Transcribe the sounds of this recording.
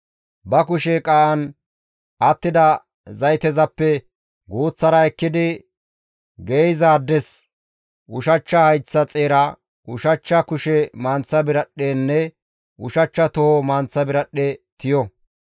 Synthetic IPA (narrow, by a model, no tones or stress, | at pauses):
bɐkʊʃɛkʼaːʔɐn | ʔɐt̪ːɪd̪ɐ | zɐjt̪ɛzɐpːɛ | ɡoːt͡sːɐɾɐɛkːɪd̪ɪ | ɡejzaːd̪ːɛs | ʔʊʃɐt͡ʃːɐhɐjt͡sːɐt͡sʼeːɾɐ | ʔʊʃɐt͡ʃːɐkʊʃɛmaːnt͡sːɐbɪɾɐɗeːnːɛ | ʔʊʃɐt͡ʃːɐt̪ɔhomaːnt͡sːɐbɪɾɐɗːet̪ɪjɔ